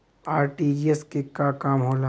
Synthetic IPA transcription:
aːɾʈieskekakaːmɦoːla

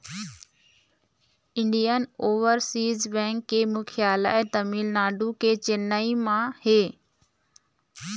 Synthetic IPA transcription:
ɪ̃ɳɖijənoːʋəɾsiːzbɛ̃ːŋkːeːmʊkʰijaːlə̰ɛt̪ɐmiːlnaːɖukeːt͡ɕɪnːəimãheː

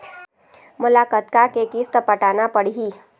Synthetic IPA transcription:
mʊlakət̪̚kakekist̪əpəʈanapəɽ̤iɦiː

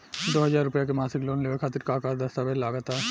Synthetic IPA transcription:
d̪oɦəd͡ʑaɾupɛjak̬emasiklonleekʰat̪iɾkakaɾd̪əst̪abeɾlaɡat̪a

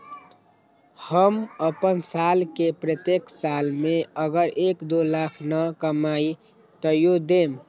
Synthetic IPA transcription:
həməpənsalkepɾət̪jeksalmeəɡəɾʔekd̪olakʰnəkəmai | t̪əjod̪em

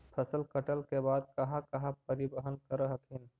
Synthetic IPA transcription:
pʰəsəlkəʈəlkebaːd̪kɐɦãkɐɦãpəɾɪbəɦənkəɾəɦəkʰɪn

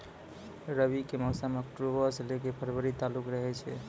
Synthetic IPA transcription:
ɾəbikeməɦsaməkʈɾobəslekepʰəɾbʱəɾit̪alukɾəɦɛt͡ʃʰɛ̰

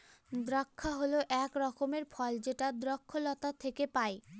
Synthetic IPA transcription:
d̪ɾakʰːaɦoloʔɛkɾɔkomeɾfʰɔld͡ʑeʈad̪ɾɔkʰːolɔt̪at̪ʰekepae

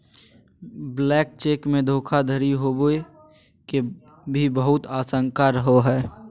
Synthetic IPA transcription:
blɛːk̚t͡ʃeːkmẽd̪ʱoːkʰad̪ʱəɾiɦoboe | ke | bʱibəɦʊt̪aːsə̃ŋkaɾəɦoɦɛː

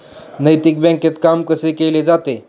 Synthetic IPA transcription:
nəjt̪ik̚bɛ̃ŋket̪kamkəsekeled͡zat̪e

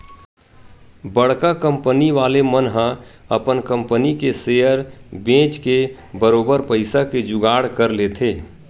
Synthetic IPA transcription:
bəɽ̤kakə̃mpəniʋaːlemənɦə̃əpənkə̃mpənikesejəɾbẽːt͡ʃke | bəɾoːbəɾpəɪsaked͡ʒʊɡaːɽkəɾleːt̪ʰeː

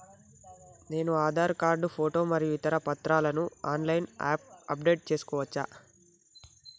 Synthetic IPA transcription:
ne̞ːnuaːd̪ʱaːɾkaːɾɖupʰoːʈo̞ːmɐɾijuit̪ɐɾɐpɐt̪ɾaːlɐnuaːnlɐjnaːp̚ɐp̚ɖe̞ːʈ̚t͡ʃe̞ːsu̥kɔːʋɐt͡ʃːa̰ː

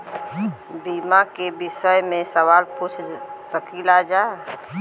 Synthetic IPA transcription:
biːmakebɪʃəjmẽsəʋaːlput͡ʃʰsəkilad͡ʒa

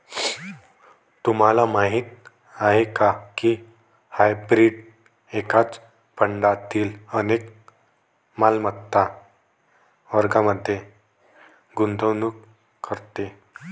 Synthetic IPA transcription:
t̪um̤alamaɦiːt̪̚ | aɦekakiː | hajbɾiɖ | ekat͡s | pəɳɖat̪iːlənek | malmət̪ːa | ʋəɾɡaməd̪ʱːje | ɡund̪ənuk | kʰːəɾt̪e

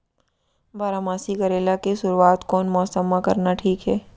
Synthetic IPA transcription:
baːɾamaːsiɡɐɾeːlakesʊɾuaːt̪kɔːnmɔːsəmːakɐɾnaʈʰiːkɦɛː

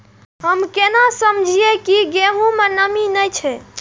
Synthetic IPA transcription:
ɦəmkenasəmd͡ʒʱijekiɡeɦũmenəminəjt͡ʃʰɛ

